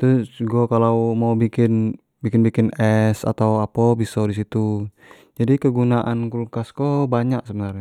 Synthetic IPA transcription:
t̪ʊsɡɔkalawmawbikɪn | bikɪnbikɪnɛsa̰t̪awapɔbisɔdisit̪u | d͡ʒadikəɡunaʔankulkaskobaɲak̚səbənarɲa

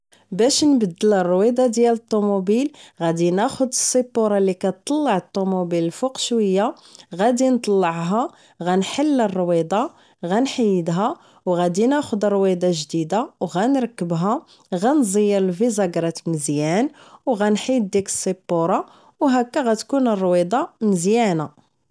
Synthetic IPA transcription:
bæʃnbəd̪ːələrˤːwid̪ˤɑd̪jælət̪ˤːomubilɣæd̪inæxʊd̪əsˤːipːuɾˤɑlikæt̪ˤːɑlːɑʕət̪ˤːomubiləlfuqʃwəjːa | ɣæd̪int̪ˤɑlːəʕɦɑ | ɣænħəlːərˤːwid̪ˤɑ | ɣænħəjːəd̪ɦæ | wɣæd̪inæxʊd̪əɾˤwid̪ˤɑʒd̪id̪awɣænɾəkːəbɦa | ɣænzˤəjːəɾlvizɑɡɾˤɑt̪məzjænwɣænħid̪̚d̪ikə̥sˤːibːuɾˤɑ | wɦækːæɣæt̪kunərˤːwid̪ˤɑməzjæna

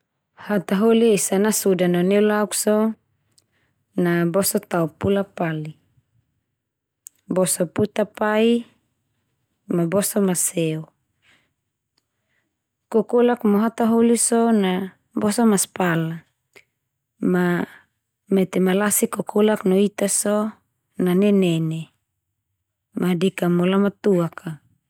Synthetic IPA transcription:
hat̪aɦoliesanasudanonelauksɔ | nabɔsot̪aupulapali | bɔsɔput̪apai | mabɔsomasɛu | kokolakmoɦat̪aɦolisɔna | bɔsamaspala | ma | met̪emalasikokʰolaknoit̪asɔ | nanɛnɛne | madekamolamat̪uakʰa

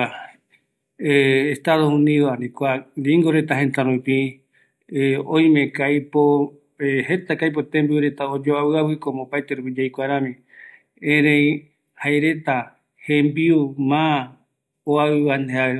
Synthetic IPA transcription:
eest̪aðohũnĩðoanĩkʷaɾiŋɡoɾe̞t̪aɦẽnt̪aɾũpĩ | õj̃mẽ̞kajpo | het̪akajp̬o̞t̪ẽmbiuɾe̞t̪aod͡ʒoaβɨaβɨkomopajt̪eɾupid͡ʒajkʷaɾãmĩ | ẽɾẽj̃ | haeɾe̞t̪a | hẽmbiumã | oaɨβanea

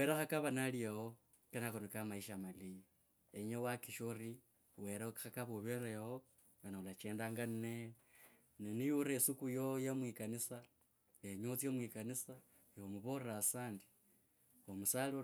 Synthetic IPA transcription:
weɾaxakaβanaliaho | kenakonokamaiʃamali | eɲewakiʃori | weɾakxakaβoβeɾajawo | βanaulat͡ʃeːndaːŋɡanne | ninijuɾesukujojamwikanisa | eɲot͡siemwikanisa | eomuβorɾasaːndi̥ | omusali

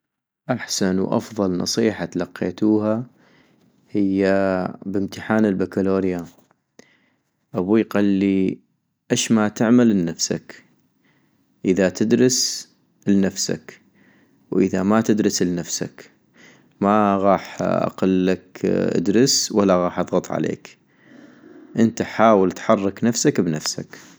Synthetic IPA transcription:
ʔaħsanwʔɑ̰fðˤɑlnɑ̰sˤiːħat̪alɑqːḛːt̪uːha | hɪjːabɪmt̪ɪħaːnəlbakaloːɾja | ʔabujqalːi | ʔeʃmat̪ɪʕmalnːafsa̰k | ʔəðat̪ʰɪd̪ɾɨs | lnafsa̰k | wʔəðamat̪ɪd̪ɾɨslnafsa̰k | maɣɑːħʔa̰qɑlːakʔa̰d̪ɾɪswalːaɣɑːħʔɑðˤɣɑt̪ˤʕa̰lḛːk | ʔɪnt̪aħaːwəlt̪ħɑrˤːɑknafsakbnafsak

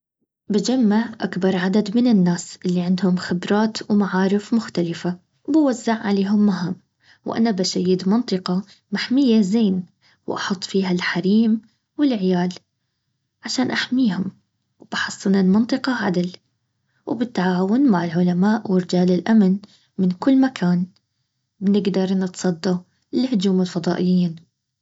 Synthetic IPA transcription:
bad͡ʒamːaʕʔakbɑɾˤʕad̪ad̪mɪnɪnːaːsʔɪlːiʕɪnd̪hʊmxɪbɾˤɑːt̪wmaʕaːɾɪfmʊxt̪alɪfa | wbawazːaʕʕaleːɦʊmːaɦam | wʔa̰nabaʃajːɪd̪mɑnt̪ˤɨqɑ | maħmɪjːazeːn | wʔɑ̰ħʊt̪ˤːfiːɦalħaɾiːm | wɪlʕɪjaːl | ʕaʃaːnʔaħmiːhʊm | wb̥ɑħɑsˤːɨnalmɑnt̪ˤɨqɑʕad̪ɪl | wbɪt̪ːaʕaːwʊnmaʕɪlʕʊlamaːʔwɪɾɪd͡ʒaːlɪlʔamn | mɪnkʊlːmakʰaːn | bnɪɡd̪ɑɾˤnɨt̪sˤɑd̪ːɑ | lhʊd͡ʒuːmɪlfɑd̪ˤɑːʔɪjːiːn

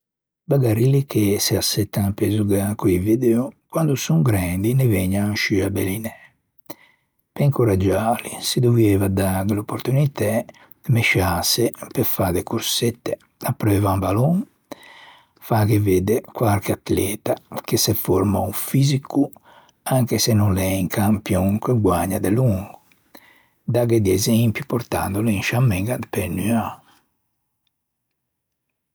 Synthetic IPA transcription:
baɡaɾilikesiasːɛt̪ːaŋapezuɡakuivid̪eukwand̪usuŋɡɾɛnd̪inevɛɲːaʃiabɛlinɛ | peiŋkuɾad͡ʒaːlisid̪uvɛːvad̪aɡlopːoɾt̪unit̪ɛ | d̪̥meʃasepefad̪ekuɾsɛt̪ːe | apːɾɛːvambalɔŋ | fakeveːd̪ekwaɾkat̪lɛːt̪akesefɔɾmaufiziku | aŋkesenunlɛiŋkʰampjɔŋkeɡwaɲːad̪eluŋɡu | d̪aɡed̪iɛzɛmpjupɔɾt̪a̰nd̪oleinʃamːɛŋɡad̪penya

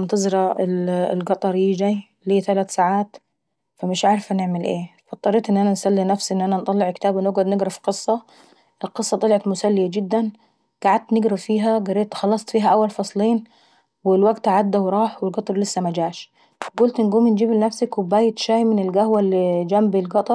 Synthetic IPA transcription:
nt̪ɑzˤɾɑɪllɡɑt̪ˤɑɾˤjiːd͡ʒaj | liːt̪alaːt̪saʕaːt̪ | famɪʃʕaɾfanɪʕmɪlʔeːfɑt̪ˤːɑɾˤeːt̪ʔɪnːʔanansalːinafsiʔɪnːʔanant̪ˤɑlːɪʕkt̪aːbɪnoɡad̪nɪɡɾˤɑfqɨsˤːɑ | ʔɪlqɨsˤːɑt̪ˤɑlʕɑt̪mʊsalːɪjad͡ʒɪd̪ːan | ɡ̥aʕad̪̚t̪nɪɡɾafiːɦaɡɑrːeːt̪xɑlːɑsˤt̪ˤfiːɦaʔawːalfɑsˤliːn | wɪlwaɡt̪ʔaʕad̪ːawɾˤɑːħwɪlɡɑt̪ˤɑɾˤlɪsːamad͡ʒaːʃ | ɡʊlt̪ʔɪnɡuːmind͡ʒiːblɪnafsakwɪbaːjɪt̪ʃaːjmɪnɪlɡahwalːid͡ʒambɪlɡɑt̪ˤɑɾˤ

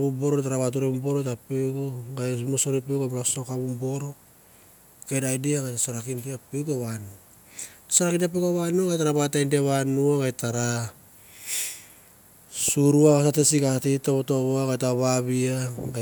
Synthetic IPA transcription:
βubo̞ɾotaɾaβat̬uɾemubo̞ɾotapeɡoɡajmosoɾipeɡamɾasokaβumbo̞ɾo̞ | kedajdiaɡajtasoɾakindiapeɡaβanu | asaɾakindap̬eɡaβanuaɡajtaɾabatajndeβanuaɡajtaɾa | suɾuaβasatesiɡatitoβoto̞βoaɡajtaβaβiaɡa

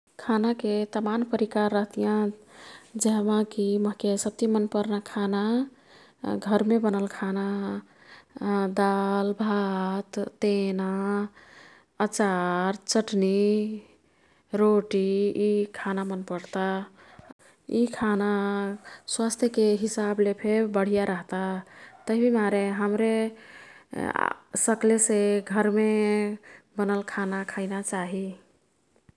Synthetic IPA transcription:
kʰanaket̪amanpəɾikaɾːəɦt̪ijã | d͡ʒeɦəmãkiməɦkesəb̚t̪imənpəɾnakʰana | ɡʱəɾmebənəlkʰana | d̪albʱat̪t̪ena | ət͡ʃaɾt͡ʃəʈni | ɾoʈiikʰanamənpəɾt̪a | ikʰana | swast̪ʰjəkeɦisablepʰebəɽ̤ijaɾəɦt̪at̪əɦibʱimaɾeɦəmɾe | səkleseɡʱəɾme | bənəlkʰanakʰaɪnat͡ʃaɦi

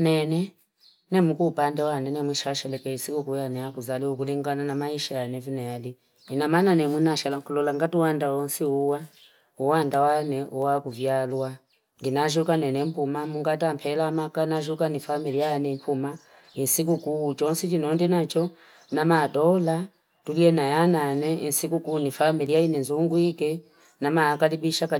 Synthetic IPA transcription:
nɛnɛ | nɛmukupandɛwanɛnɛmwiʃaʃɛlɛkɛisikukujanɛakuzaliukuliŋɡananamaiʃajanɛvinɛjali | inamananɛmwinaʃalaŋkulɔlaŋɡatuwandawɔnsiuwa | uwandawanɛʔuwakuvjalwa | ŋɡinaʒukanɛnɛmpumamuŋɡat̬ampʰɛlamakanaʒukanifamilijanɛmpuma | insikukut͡ʃɔnsit͡ʃinɔndinat͡ʃɔ | namatɔla | tuliɛnajananɛinsikukunifamiliainɛnzuŋɡuikɛ | namakalibiʃaka

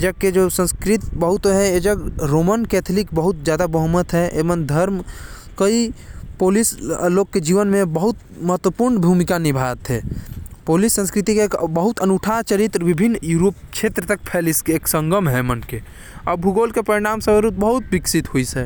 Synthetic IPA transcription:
ed͡ʒəɡ̚ked͡ʒosə̃nskɾit̪bəɦʊt̪ɦɛ̃ed͡ʒəɡɾoːmənkɛːt̪ʰlikbəɦʊt̪̚zjaːd̪abəɦumət̪ɦɛʔeːʋənd̪ʱəɾm | kəipoːlisloːɡ̚ked͡ʒiːʋənmẽbəɦʊt̪ | məɦət̪wəpuɾnbʱumikanɪbʱat̪ɦɛpoːlisːə̃nskɾit̪ikeeːkbəɦʊt̪ənuʈʰat͡ʃəɾit̪ɾʋɪbʱinːjuːɾoːp̚t͡ʃʰeːt̪ɾət̪ək̚pʰɛːliskeeːksə̃ŋɡəmɦɛmənke | ɔbʱuɡoːlkepəɾɪɽ̃aːmsə̃bəɾut̪̚bəɦʊt̪̚bɪksit̪ɦoisɛ

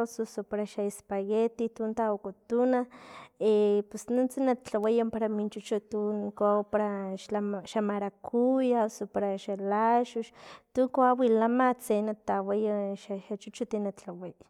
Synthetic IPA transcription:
sosopaɾaʃaespaɣet̪it̪unt̪aokot̪unaepesnunt͡sinat͡ɬawejampaɾamint͡ʃut͡ʃut̪unkapaɾaʃaʃamaɾakʰujasopaɾaʃalaʃuʃt̪uŋkoawilamat͡senat̪awejaʃaʃat͡ʃut͡ʃut̪inat͡ɬawej

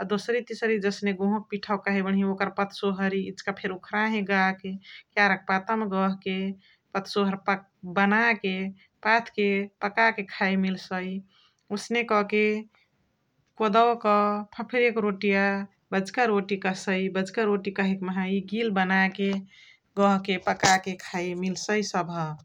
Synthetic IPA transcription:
ɔd̪osɾit̪isəɾid͡ʒəsneɡõɦũk̚piʈʰəwkaɦebəɳɦiokəɾpət̪ʰsoɦəɾiit͡ʃkapʰeɾukʰɾaɦẽɡakekjaɾək̚pat̪əmɡəɦke | pət̪ʰsoɦəɾp | bənake | pat̪ʰkepəkakekʰajmilsəi | usnekɔke | kod̪əwkɔpʰəpʰiɾekɾoʈija | bəd͡ʒkəɾoʈikəsəibəd͡ʒkəɾoʈikəɦekməɦãiɡilbənake | ɡəɦkepəkakekʰajmilsəjsəbʱə

